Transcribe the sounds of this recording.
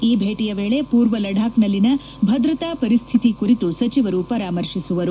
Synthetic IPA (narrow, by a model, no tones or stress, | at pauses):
iːbʱeːʈijɐʋeːɭe̞puːɾʋɐlɐɖʱaːknɐlːinɐ | bʱɐd̪ɾɐt̪aːpɐɾist̪ʰit̪ikuɾit̪usɐt͡ʃiʋɐɾupɐɾaːmɐɾʂisuʋɐɾu